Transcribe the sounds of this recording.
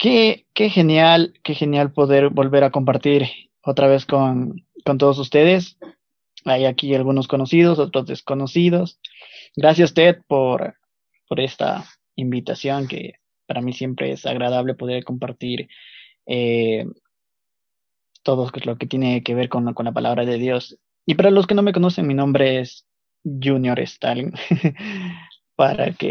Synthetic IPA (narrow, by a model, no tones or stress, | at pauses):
keke̞xe̞njalke̞xe̞njalpo̞ðe̞ɾbo̞lβe̞ɾako̞mpaɾt̪iɾ | o̞t̪ɾaβe̞skonko̞nt̪o̞ð̞os̬ust̪e̞ðe̞s | ajakialɣuno̞sko̞no̞siðo̞so̞t̪ɾozðesko̞no̞siðo̞s | ɡɾasjasust̪e̞t̪̚po̞ɾ | poɾe̞st̪a̰ | imbit̪asjo̞ŋke̞̰ | paɾamisje̞mpɾe̞̰ḛsa̰ɣɾað̞aβle̞po̞ðe̞ɾko̞mpaɾt̪iɾ | e | t̪o̞ðoelo̞ke̞t̪jene̞ke̞β̞e̞ɾkonko̞nlapalʔaβɾaðe̞ðjo̞s | ipaɾalo̞s̬ke̞no̞me̞k̬ono̞se̞nminõmbɾees | ʝunjo̞ɾḛst̪a̰lin | paɾa̰kḛ